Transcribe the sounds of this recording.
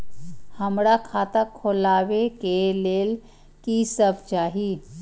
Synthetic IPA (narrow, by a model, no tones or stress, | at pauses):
həmɾakʰat̪akʰːolaʋekeleːl | kisəbt͡ʃaɦi